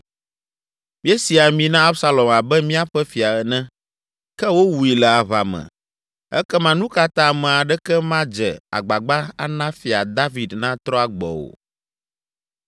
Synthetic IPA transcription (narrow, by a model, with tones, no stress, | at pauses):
mĩ˦ɛ˦si˨a˨mĩ˨nã˦a˦bsa˦lɔ˨ma˨bɛ˦mĩ˦a˦ɸɛ˦fi˨a˨ɛ˨nɛ̃˦ | kɛ˦wo˦wu˨i˨lɛ˨a˨βa̰˨mɛ̰̃˨ | ɛ̰˦kɛ˦mã˦nũ˦ka˦t̪ã˦˨mɛ̃˨a˨ɖɛ˦kɛ˦mã˦d͡ʒɛ˨a̰˨ɡ͡ba˨ɡ͡ba˦a̰˦nã˦fi˨a˨d̪a˦vi˨d̪nã˦t̪ɾɔ˦a˨ɡ͡bɔ̰˨wo̰˨